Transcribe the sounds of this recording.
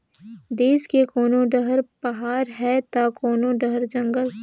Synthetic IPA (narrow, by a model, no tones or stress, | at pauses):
d̪eːskekoːnõɖəɦəɾpɐɦaːɾɦɛt̪akoːnoɖəɦəɾd͡ʒɐ̃ŋɡəl